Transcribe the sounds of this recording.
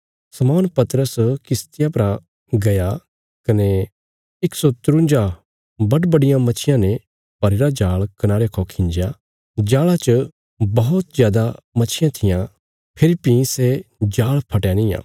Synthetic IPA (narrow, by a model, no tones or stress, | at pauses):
sɐmɔːnpɐt̪ɾəskɪst̪ɪjapɐɾã | ɡɐja | kɐne | ɪksot̪ʊɾʊ̃nd͡ʒa | bɐɖbɐɽɪjãmɐt͡ʃʰɪjãnɛ̃ | pɐɾeɾad͡ʒaːɭkɐnaːɾekʰokʰɪ̃ɲd͡ʒja | d͡ʒaːɭat͡ʃ | bɐɦʊt̪zjaːd̪amɐt͡ʃʰɪjãt̪ʰɪjã | pʰɪɾipĩsed͡ʒaːɭpʰɐʈjanɪ̃jã̰ː